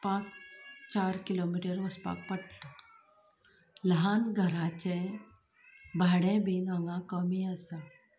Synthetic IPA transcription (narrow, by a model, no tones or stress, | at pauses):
pãːt͡st͡ʃaːɾkilomiːʈəɾʋəspa̰k̚pəʈʈ | ləɦaːnɡʱəɾat͡ɕe | bʱaːɽẽbʱiɡãŋɡakəmiasa